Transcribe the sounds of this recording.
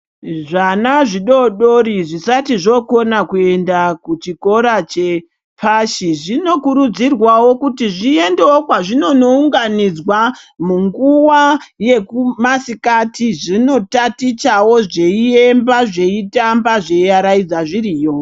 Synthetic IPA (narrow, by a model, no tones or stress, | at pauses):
ʐanaʐiɗo̞ɗo̞ɾiʐisatiʐo̞ko̞nakue̞ndakut͡ʃiko̞ɾat͡ʃe̞ | pʰaʃiʐino̞kuɾud͡zirwawo̞kutiʐie̞nde̞okwaʐino̞no̞uŋɡanid͡zwamuŋɡuwaje̞kumasikatiʐino̞tatit͡ʃawo̞ʐe̞ie̞mbaʐe̞itambaʐe̞iaɾaid͡zaʐiɾiːjo̞